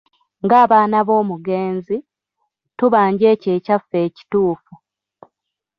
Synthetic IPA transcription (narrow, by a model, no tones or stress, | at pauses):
ŋɡaːβaːnaβo̞ːmuɡe̞ːnzi | tuβaːɲɟe̞ːceːcafːe̞ːci̥tuːfu